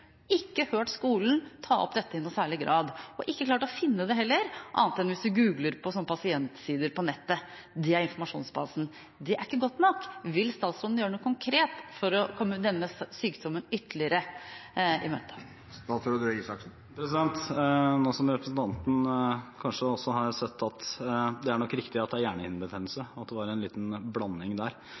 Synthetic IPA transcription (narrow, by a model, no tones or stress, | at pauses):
ɪkːəhøːʈskuːlnt̪ʰɑːɔ̰pd̪ɛt̪ːəɪnːuːsæːɭɪɡɾɑːd̪ɔʔɪkːəkʰlɑːʈɔfɪnːəd̪ɛɦɛlːəɾʔɑ̰ːnt̪ɛd̪nʋɪsd̪ʉɡʉːɡləɾpʰɔsɔnːəpʰɑsɪɛnt̪siːd̪əɾpɔnɛt̪ːə | d̪ɛæɾɪnfɔmɑʂṵːnsbɑːsn̩ | d̪ɛʔæɾɪkːəɡɔt̪ːnɔkːʋɪlst̪ɑːt̪sɾɔnn̩jøːɾəɳuːkʰʊŋkʰɾeːt̪fɔɾɔkʰɔmːəd̪ɛnːəsyːkd̪ɔmːənʏt̪ːəlɪəɾə | ɪmøːt̪ə̥ | ɑːsəɾɔd̪ɾøiːsɑksn̩ | pʰɾɛsɪd̪ɛnt̪noːsɔmɾɛpɾəsn̩t̪ʰɑnt̪nkʰɑnʂəɔsːɔɦɑɾsɛt̪ːɑt̪d̪ɛæɳɔkːɾɪkt̪ɪɑt̪̚d̪ɛæɾjæːɳəɪ̰nbət̪ʰenlsəɑt̪̚d̪ɛʋɑːɾɛnlḭːt̪nblɑnːɪŋd̪æɾ